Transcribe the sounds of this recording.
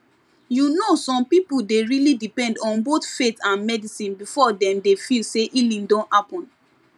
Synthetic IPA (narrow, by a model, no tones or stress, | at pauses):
junosɔ̃mpipuldeɹilidipɛ̃ndɔ̃nbotfetãnmɛdisĩnbifɔdɛ̃mdefilseʔilĩndɔ̃nthapɔ̃n